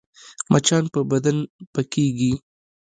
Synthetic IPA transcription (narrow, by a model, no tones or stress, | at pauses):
mʔat͡ʃɑnpəbad̪anpakeɡi